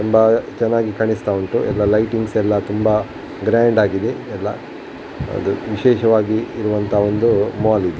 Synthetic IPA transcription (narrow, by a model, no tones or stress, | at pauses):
t̪umbɐt͡ʃɛnːaːɡikɐɳist̪auɳʈuʔɛlːɐlɐjʈiŋɡsɛlːɐt̪umbɐ | ɡɾaːɳɖaːɡid̪e̞ɛlːɐ̰ | ɐ̰d̪uʋiʃɛːʃɐʋaːɡiːɾuʋɐnt̪ʰɐo̞nd̪umaːlid̪e